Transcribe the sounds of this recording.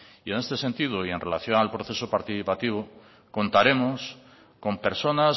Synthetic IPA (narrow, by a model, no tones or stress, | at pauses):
iene̞st̪e̞se̞nt̪iðoie̞nrela̰θjo̞nalpɾoθe̞sopaɾt̪iθipat̪iβ̞o | ko̞nt̪aɾe̞mos | ko̞mpe̞ɾso̞na